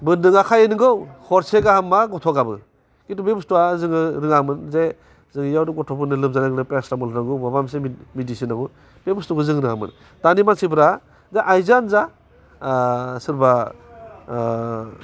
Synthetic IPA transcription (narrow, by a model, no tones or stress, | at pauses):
bɯndɯŋakʰajenɯɡɯwhʰɔɾseɡahamːaɡɔtʰɔɡabɯ | kitubebustuazɯŋɯɾɯŋamɯnze | zɯŋjawduɡɔtʰɔpʰɯnɯlɯp̚zanaɡnɯpesɾamɔlɾaɡɔbabamsemidisinaɡu | b̥ebustukɯzɯŋɾɯŋamɯ̰n | tanimansibɾa | zeʔajzanza | sɯɾba